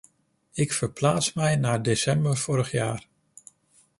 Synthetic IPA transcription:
ɪkfəɹplaːtsmɛjnaːdesɛmbəɹv̥ʊːɾəχjaːr

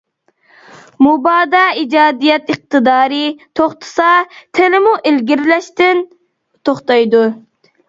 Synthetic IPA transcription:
mubɑːd̪ɑːid͡ʒɑːd̪ijɛt̪ɨq̚t̪ɨd̪ɑːɾɪt̪ʰoχt̪ʰɨ̥sɑt̪ʰelɪmuʔelɡʲiɾlɛʃt̪ɪn | t̪ʰoχt̪ɑjd̪u

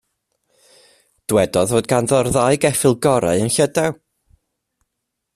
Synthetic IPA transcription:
d̥wɛdɔðvoːd̚ɡanðɔrðaɨɡɛfɪlˠɡɔɾa̰ɨənɬədaw

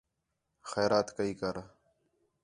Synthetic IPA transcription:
xɛːɾaːt̪kəiːkəɾ

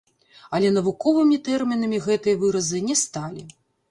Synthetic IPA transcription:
ɐlʲɛn̪ɐvukɔvɨmʲit̪ɛrmʲinɐmʲiɣɛt̪ɨjɐvɨɾɐzɨnʲɛst̪alʲi

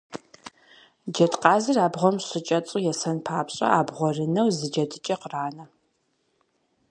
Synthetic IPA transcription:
d͡ʒɐtqɑːzɨraːbʁʷɔmɕɪt͡ʃʼɐt͡sʼʊjɛsɐnpʰaːpʰɕʼɐ̰aːbʁʷɔrɨnɐwzɨd͡ʒɐdʰɨt͡ʃʼɐqraːnɐ

